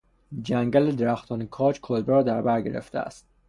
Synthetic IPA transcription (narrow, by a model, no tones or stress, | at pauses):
d͡ʒæŋɡæled̪eɾæxt̪ʰɒːnekʰɒːt͡ʃkʰolbeɾɒːd̪æɾbæɾɡe̞̰ɾḛft̪ʰeæ̰st̪̚